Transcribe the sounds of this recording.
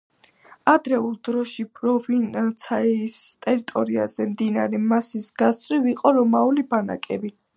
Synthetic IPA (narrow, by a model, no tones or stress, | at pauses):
ad̪ɾɛulˠd̪ɾɔʃipʼɾɔvint̪sʰaist̪ʼɛɾit̪ʼɔɾia̰zɛmd̪inaɾɛmasisɡ̥ast̪sʼwiviqʼɔɾɔmaulibana̰kʼɛ̰bi